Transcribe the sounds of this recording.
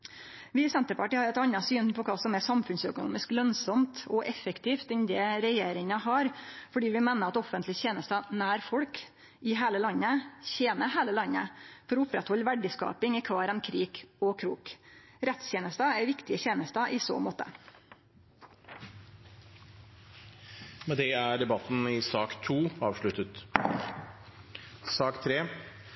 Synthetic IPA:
ʋɪsɛnt̪əpɑʈiːəhɑɾɛt̪ɑɲːɑsyːnpʰɔkʰɑːsɔmɛsɑmfʉnsœkʊnṵːmɪsklœnsɔmt̪ɔʔɛfɛkt̪ʰiːft̪ɪnd̪ɛːɾɛjeːɾɪŋɑɦɑɾfɔɖiːʋɪmeːnəɾɑt̪ɔfənt̪lɪçeːnəst̪ɑnæːɾfɔɽk | ɪɦeːləlɑɲːəçeːnəheːləlɑɲːəfɔɾɔʊpɾɛt̪hɔʎːʋæɖɪskɑ̰ːpɪŋɪkʰʋɑːɾənkʰɾiːɡ̥ɔkʰɾuːk | ɾɛt̪sjeːnəst̪ɑæʋɪkt̪ɪəçeːnəst̪ɑʔɪːso̰ːmoːt̪ə̰ | mɛd̪ɛæɖ̪ɛbɑt̪n̩ɪsɑːkt̪ʰuːɑːʋʂɭʉt̪ət̪ | sɑːkt̪ʰɾeː

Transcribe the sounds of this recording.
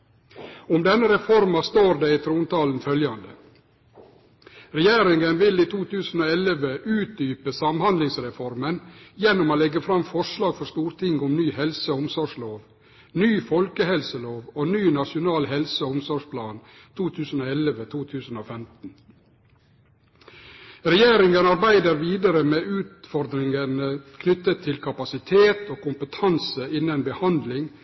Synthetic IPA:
ʊmd̪ɛnːəɾɛfɔɾmɑst̪oːɾd̪eiːt̪ʰɾuːnt̪ɑːln̩fœljɑnd̪ə | ɾɛjeːɾɪŋɡənʋɪliːt̪ʰuːt̪ʰʉːsn̩oːɛləʋəʔʉːt̪̚d̪yːpəsɑmhɑnd̪lɪŋsɾɛfɔɾmənjɛnːʊmoːlɛɡːəfɾɑmfɔʂlɑːɡfɔʂt̪uːɾt̪ʰɪŋːʊmnyːhɛlsəʊmsɔʂloːʋ | nyːfɔlkəhɛlsəloːʋoːnyːnɑʂɪʊnɑːlhɛlsəɔʊmsɔʂpʰlɑːn | t̪ʰuːt̪ʰʉːsən̩oːɛləʋət̪ʰuːt̪ʰʉːsən̩oːfɛmt̪n̩ | ɾɛjeːɾɪŋənɑɾbæɪd̪əɾʋiːd̪əɾəmeːʔʉːt̪fɔɾd̪ɾɪŋənəkʰnʏt̪ːət̪ʰːɪlkʰɑpɑsɪt̪ʰeːt̪oːkʊmpət̪ʰɑnsəɪnːənbəhɑnd̪lɪŋ

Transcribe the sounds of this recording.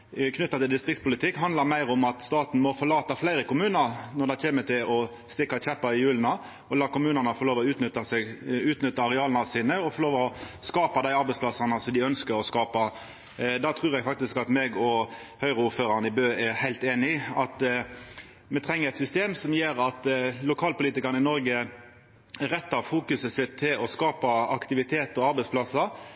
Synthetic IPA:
kʰnʏt̪ːɑt̪ɪld̪ɪst̪ʁɪk̚tspʊlɪt̪ʰɪkːhɑnd̪lɑɾmæɪɾɔmɑt̪st̪ɑːt̪n̩mɔfɔɾlɑːt̪ɑflæɪɾəkʊmʉːnəɾnɔd̪æɪkeːmət̪ʰɪlʔɔ | st̪ɪkːɑt͡ʃɛpːɑɪjʉːlnɑ | ɔlɑːkʊmʉːnənɑfɔɾloːʋɔʉːt̪nʏt̪ɑsɛɡʉːt̪nʏt̪ːɑɾɛɑːlnɑsiːnəɔfɔloːʋɔskɑːpɑd̪æɪɑɾbæɪspʰlɑsɑnɑsɔd̪ɪœnskəɾɔskɑːpɑ | d̪ɑt̪ʰʁʉːʁjɛɡfɑk̚t̪ɪskɑt̪meɡɔ | hœʏɾəʊːføːɾɑʁnəɪbøːæhæɪlt̪eːnɪɑt̪ | mɛt̪ʰʁɛŋːəɾɛt̪sʏst̪eːmsɔmjeːɾɑt̪lʊkʰɑːlpʊliːt̪ɪkɑʁnəɪnɔɾɡə | æʁɛt̪ːɑfuːkʉsəsɪt̪ʰːɪlɔskɑːpɑɑkt̪ɪʋɪt̪ʰeːt̪ɔɑɾbɛɪsplɑsɑɾ

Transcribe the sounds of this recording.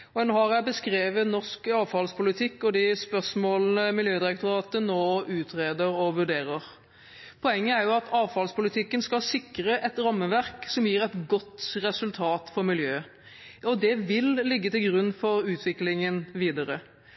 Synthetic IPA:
ɔɛnːhɑɾjæɪbəskɾeːʋənɔʁskɑːʋfɑlspʰʊlɪt̪ʰɪkːɔd̪ɪspœsmoːlnəmɪljøːd̪ɪɾɛkt̪ʊɾɑːt̪ənoːʉːt̪ʰʁeːd̪əɾɔʋʉɖeːɾəʁ | pʰɔɛŋːəæɾjʊɑt̪ɑːʋfɑlspʊlɪt̪ʰɪkːənskɑsɪkʁəʔɛt̪ɾɑmːəʋæʁksɔmjiːɾɛt̪ɡɔt̪ːʁɛsʉlt̪ʰɑːt̪fɔɾmɪljøː | ɔd̪ɛʋɪllɪɡːət̪ɪlɡɾʉnːfɔɾʉːt̪ʰʋɪklɪŋənʋiːd̪əɾə

